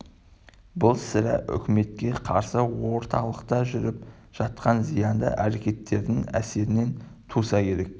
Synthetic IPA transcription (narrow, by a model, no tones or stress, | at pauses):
bʊlˠsɪɾæ̰ʔʏ̰kʲɪme̞t̪̚kʲe̞qʰɑɾsəwo̞ɾt̪ʰɑlˠəqt̪ɑʒʏɾɪp̚ | ʒ̥ɑt̪qɑnzijɑnd̪ə̰ʔæɾe̞kʲe̞t̪ːe̞ɾd̪ɪŋæ̰se̞ɾɪne̞nt̪ʰusɑkʲʰe̞ɾe̞k̚